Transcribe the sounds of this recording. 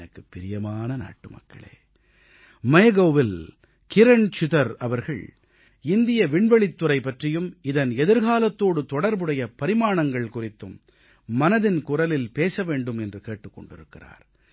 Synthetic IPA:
nɐkːɯpːɪɾɪjɐmaːnɐna̰ːʈːɯmɐ̰kːɐ̰ɭḛː | mɐjɐɣoːʋɪl | kɪɾɐɳt͡ʃɪðɐɾɐʋɐɾɣɐ̰ɭ | ɪnd̪ɪjɐʋɪɳʋɐɭɪt̪ːɯɾɐɪpːɐʈrɪjɯmɪðɐnɛðɯɾɣaːlɐt̪ːoːɽɯt̪ɔɽɐɾbɯɽɐjɐpɐɾɪmaːɳɐŋɡɐɭkʊrɪt̪ːɯmː | ɐnɐðɪnkʊrɐlɪlpeːsɐʋeːɳɖɯmɛndrɯkeːʈːɯkːɔ̰ɳɖɪɾɯkːɪra̰ːɾ

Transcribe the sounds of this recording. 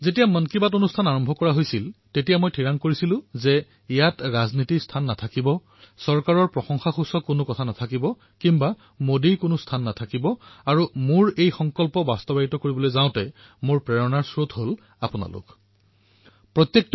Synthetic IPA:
zetijamənkibatonustʰanaɹɔmbʱɔkɔɹaɦojsiltetijamojtʰiɹaŋkoɹisilʊ̃zɛ | ijatɹaznitikstʰanːatʰakibɔ | sɔɹkaɹɔɹpɹɔxɔŋxaxusɔkʊnʊkɔtʰanatʰakibɔ | kimba | modijkʊnʊstʰanːatʰakibɔaɹumʊɹejxɔŋkɔlpɔbastɔbaɹitɔkoɹibɔlojzaʊ̃tɛ | moɹpɹɛɹɔnaɹsɹotɦol | apʊna̰lʊ̰k | pɹɔt̪jek̚t

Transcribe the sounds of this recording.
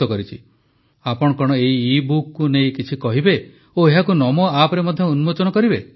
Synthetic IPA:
ɔkɔɾit͡ʃʰi | apɔɽɔkɔɽ̃ɔeɦiːbukːunejkit͡ʃʰikɔɦibe | oeɦakunɔmɔapɾemɔd̪ʱjɔunmod͡ʒɔnɔkɔɾibe

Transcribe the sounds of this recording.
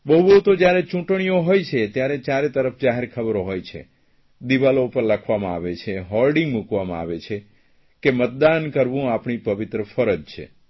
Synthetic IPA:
bəɦubəɦut̪od͡ʒjaɾet͡ʃũʈɳ̃ijoɦojt͡ʃʰet̪jaɾet͡ʃjaɾet̪əɾəfd͡ʒaɦeɾkʰəbəɾoɦojt͡ʃʰḛ | d̪iʋalopəɾləkʰʋamãa̰ʋet͡ʃʰeɦɔlɖĩŋɡmukʋamã̰a̰ʋet͡ʃʰe | kemət̪̚d̪ankəɾʋũapɳipəʋɪt̪ɾəfəɾəd͡ʒt͡ʃʰḛ

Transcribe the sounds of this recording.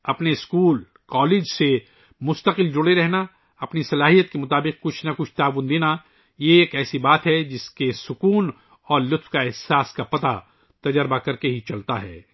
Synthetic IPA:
ɐpneɪskuːl | kɔːleːd͡ʒse | mʊst̪əqɪld͡ʒʊɽeɾɛɦna | ɐpnisɐlaːɦijət̪̚kemʊt̪aːbɪq̚kʊt͡ʃʰnɐkʊt͡ʃʰt̪aːʋʊnd̪eːna | jeeːkɛːsibaːt̪ɦɛd͡ʒɪskesʊkuːn | ɔːɾlʊt̪fkaɪɦsaːskapɐt̪a | t̪ɐd͡ʒəɾbakɐɾkeɦit͡ʃɐlt̪aɦɛ̰ː

